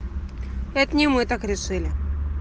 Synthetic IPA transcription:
ɛt̪nʲimɨt̪akɾʲɪʂɨlʲɪ

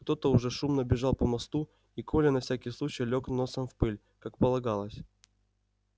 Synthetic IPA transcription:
kt̪o̞t̪əʊʐɛʂumnəbʲɪʐɑlˠpəmɐst̪u | ikʰolʲɪnɐfsʲækʲɪjslˠut͡ɕɪjlʲo̞kno̞səmfpɨlʲ | kakpəlˠɐɡalˠəsʲ

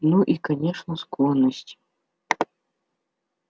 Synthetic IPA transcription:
nuʔikɐnʲeʂnəsklˠonːəsʲtʲ

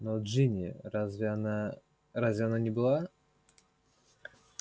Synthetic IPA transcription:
nod͡ʒinʲɪ̰azvʲna | ɾazʲvʲɪananʲɪbɨlˠa

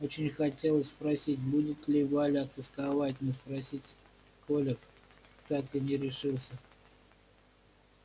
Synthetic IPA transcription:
o̞t͡ɕɪnʲxɐtʲe̞lˠəsʲspɾɐsʲitʲbudʲɪt̪lʲɪbɨalʲɪɐt̪əskavatʲnəspɾɐsʲitʲ | kolʲɪkt̪akt̪ɨnʲɪɾʲɪʂɨlˠsʲə

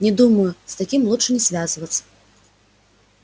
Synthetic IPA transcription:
nʲɛd̪umɐjust̪akʲimlˠuʂɨnʲɛsʲvʲazvɐt̪sːɐ̥

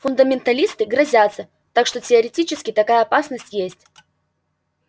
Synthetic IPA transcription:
fʊnd̪əmʲɪnt̪ɐlʲist̪ɨɡɾɐzʲat̪sə | t̪akʂt̪o̞tʲɪəɾʲɪtʲit͡ɕɪskʲɪt̪ɐkajəɐpasnəsʲtʲjesʲtʲ

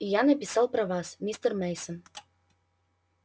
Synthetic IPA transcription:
ijanɐpʲisɑlˠpɾɐvasmʲist̪ərmɛjsən

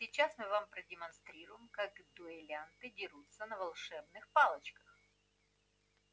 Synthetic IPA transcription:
sʲɪt͡ɕːasmɨvampɾədʲɪmɐnst̪ɾʲiɾʊjɪmkakd̪ʊɪlʲant̪ɨdʲɪɾut̪sənəvɐlˠʂɛbnɨxpalˠət͡ɕkə̥x

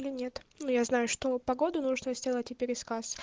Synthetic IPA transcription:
lʲɪnʲe̞t̪nujaznajʊʂt̪o̞pɐɡo̞d̪ʊnuʐnəzʲdʲe̞lˠətʲɪpʲɪɾʲɪskas

